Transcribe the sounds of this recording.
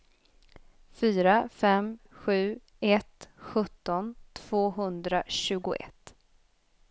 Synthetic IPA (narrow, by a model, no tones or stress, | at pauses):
fyːɾafɛm | ɧʉ̟ː | ɛt̪ɧɵt̪ːɔnt̪ʰv̥oːɦɵnd̪ɾaɕʉ̟ːɡʊʔɛ̰t̪